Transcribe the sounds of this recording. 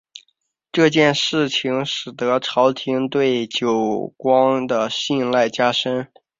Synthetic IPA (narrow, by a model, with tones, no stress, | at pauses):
ʈ͡ʂɤ˥˧t͡ɕjɛ˥˧nʂɻ̩˥˩t͡ɕʰi˧˥ŋʂɻ̩˨˩d̪ɤ˧˥ʈ͡ʂʰɑ˧˥ʊt̪ʰi˧˥ŋt̪we˥˩ɪt͡ɕjo˨˩ʊkwɑ˥ŋd̪ə˨ɕi˥˧nla˥˩ɪt͡ɕja˥ʂə˥n